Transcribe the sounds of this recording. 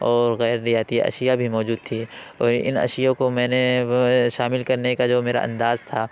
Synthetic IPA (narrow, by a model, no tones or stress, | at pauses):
ɔːɾɣɛːɾnijaːt̪ḭɐ̰ʃɪjabʱimɔːd͡ʒuːd̪̚t̪ʰi | ɔːɾɪ̰nɐ̰ʃɪjõkomɛ̃ːneʃaːmɪlkɐɾnekad͡ʒoːmeːɾa̰ʔɐ̰̃nd̪aːzt̪ʰaː